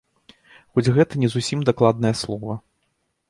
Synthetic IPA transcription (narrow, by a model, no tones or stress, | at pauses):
xɔd͡zʲɣɛt̪ɐnʲɛzusʲimd̪aklˠad̪̚nɐjɐslˠɔvɐ